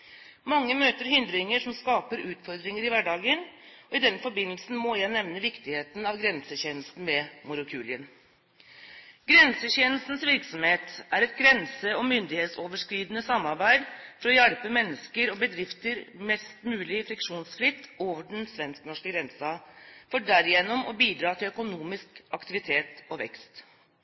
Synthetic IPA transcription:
mɑŋːəmøːt̪əɾɦʏnd̪ɾɪŋəʂɔmskɑːpəɾʉːt̪fɔɾd̪ɾɪŋəɾɪʋæɖɑːɡənɔɪd̪ɛnːəfɔɾbɪnəlsn̩mɔjæɪnɛʋnəʋɪkt̪ɪheːt̪nɑʋɡɾɛnsəçeːnəlst̪n̩mɛmʊɾəkʰʉːlɪən | ɡɾɛnsəçeːnlst̪n̩sʋɪɾksɔmheːt̪æɾɛt̪̚ɡɾɛnsəɔmʏnd̪ɪheːt̪soːʋəʂkɾiːd̪nəsɑmːɑɾbæɪd̪fɔɾɔjæɽpəmɛnːəskəɾɔbəd̪ɾɪft̪əɾmɛst̪mʉːlɪəfɾɪkʂuːnsfɾɪt̪ːoːʋəɖn̩sʋɛnsknɔʂkəɡɾɛnsɑfɔɖæɾɪjɛnːʊmɔbiːd̪ɾɑːt̪ʰɪlœkʊnuːmɪskɑkt̪ɪʋɪt̪ʰeːt̪ɔʋɛ̰kst̪

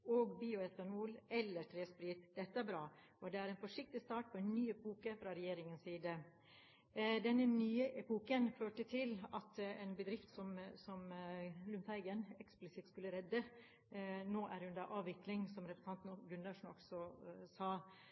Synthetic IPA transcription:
oːɡbiːʊɛt̪ɑnuːlɛlːəɾʈʰɾeːspɾiːt̪d̪̥ɛt̪ːəæɾbɾɑː | ɔd̪ɛæɾɛnfɔʂɪk̚t̪ɪst̪ɑːʈ̚pʰɔɛnnyːɛpuːkəfɾɑɾɛjeːɾɪŋənsiːd̪ə | d̪ɛnːənyːəʔɛpuːkənføːʈət̪ʰɪlɑt̪ɛːnbəd̪ɾɪft̪sɔmsɔmlʉnt̪hæɪɡənɛksplɪsɪt̪skʉlːəɾɛd̪ːə | noːʔæɾʉnd̪əɾʔɑːʋʋɪklɪŋsɔmɾɛpɾəsə̥nɑnt̪n̩ɡʉnd̪ɑʂn̩ɔ̰ksɔsɑː

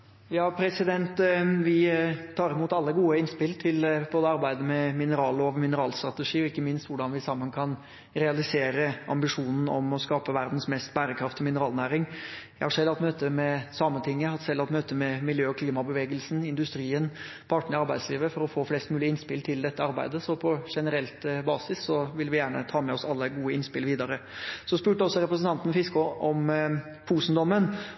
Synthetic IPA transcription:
jɑːpʰɾɛsɪd̪ɛnt̪ʋɪt̪ʰɑːɾɪmuːt̪ɑlːəɡuːəɪnspɪlt̪ʰɪlboːd̪əɑɾbæɪd̪əmɛmɪnəɾɑːloːʋmɪnəɾɑːlst̪ɾɑt̪əʂiːɔɪkːəmɪnst̪ʋʊɖɑnʋɪsɑmːənkʰɑn | ɾɛɑlɪseːɾəɑ̰mbɪʂuːnn̩ɔ̰mɔskɑːpəʋæɾd̪n̩smɛst̪bæːɾəkʰɾɑft̪ɔmɪnəɾɑːlnæːɾɪŋjæhɑʂɛlːɑt̪møːt̪əmɛsɑːmət̪ʰɪŋːəɑt̪sɛlːɑt̪møːt̪əmɛmɪljøːɔkʰliːmɑbəʋeːɡəlsn̩ɪnd̪ʉst̪ɾiːən | pʰɑʈɳəɾɪɑɾbæɪd̪sliːʋəfɔɾɔfoːflɛst̪mʉːlɪəɪnspɪlt̪ʰɪld̪ɛt̪ːəɑɾbæ̰ɪd̪əsɔpʰɔʂɛnəɾɛlt̪bɑːsɪsːɔʋɪlʋɪjæːɳə̰t̪ʰɑːmɛɔsɑlːəɡuːəɪnspɪlʋiːd̪ɑɾəsɔspʉːʈəɔsːɔɾɛpɾəsən̩t̪ɑnt̪n̩fɪskʊʔɔm | puːsnd̪ɔmːən

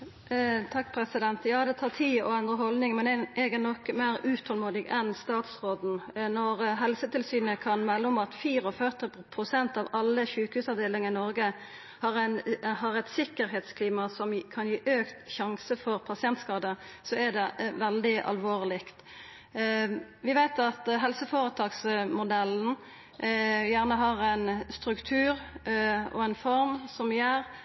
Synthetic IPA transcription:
t̪ʰɑkːpʰɾɛsɪd̪ɛnt̪jɑːd̪ɛt̪ʰɑːt̪ʰiːɔɑnd̪əɦɔld̪nɪŋmɛnɛɛɡɛnɔkːmæɾʉːt̪ʰɔlmuːd̪ɪɡɛnst̪ɑːt̪sʁoːd̪n̩nɔɾɦɛlsət̪ʰɪlsyːnəkʰɑnmɛlːʊmɑt̪fiːɾɔfœʁt̪ɪpʰʁʊsɛnt̪ɑʋɑlːəçʉːkəhʉːsɑʋd̪eːlɪŋəɪnɔɾɡə | hɑʁɛnɦɑɾɛt̪sɪkːəɾɦeːt̪skʰliːmɑsɔmkʰɑnjiːʔøːkt̪çɑŋsəfɔʁpʰɑsɪɛnt̪skɑːd̪əsɔæd̪ɛʋɛld̪ɪʔɑ̰lʋoːʁlɪkt̪ | ʋɪʋæɪt̪ɑt̪ɦɛlsəfoːɾət̪ʰɑːksmʊd̪ɛln̩ | jæːʁnəɦɑʁɛɪnst̪ɾʉkt̪ʰʉːɾ | ɔ̰ɛnfɔɾmsɔmjæːʁ

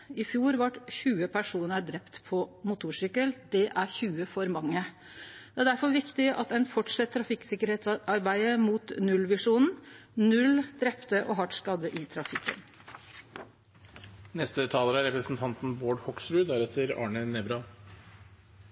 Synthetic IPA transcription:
ɪfjuːɾʋɑʈçʉːəpʰæʂuːnəɖ̪ɾɛpt̪pʰɔmʊt̪ʰuːʂʏkəld̪̥ɛʔæɾçʉːəfɔɾmɑŋːə | d̪ɛæɖæɾfɔɾʋɪkt̪ɪʔɑ̰t̪ɛɪnfɔʈʂɛt̪ʰːɾɑfɪksɪkəɾheːt̪sɑɾbæɪəmuːt̪nʉlʋɪʂuːnn̩nʉld̪ɾɛpt̪əʔɔɦɑʈskɑd̪əʔɪt̪ʰɾɑfɪkːə̰n | nɛst̪ət̪ʰɑːləɾæɾɛpɾəsn̩t̪ʰɑnt̪n̩boːɖhɔksɾʉːd̪æɾɛt̪ʰːəɾɑ̰ːɳənɛbɾɑ

